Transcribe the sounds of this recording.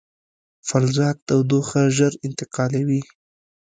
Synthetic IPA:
falzɑk̪̚awd̪oxaʒəɾɪnt̪ɪqɑlawi

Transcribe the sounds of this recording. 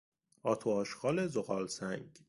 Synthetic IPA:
ɒːt̪ʰoɒːʃxɒːlezoɣɒːlsæŋɡ

